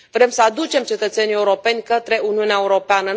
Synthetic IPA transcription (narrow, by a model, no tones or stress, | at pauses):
vɾe̞msəad̪ut͡ʃe̞mt͡ʃe̞t̪ət̪senije̞uɾo̞pe̞nʲkət̪ɾe̞ʔuniuneaeuɾo̞peanə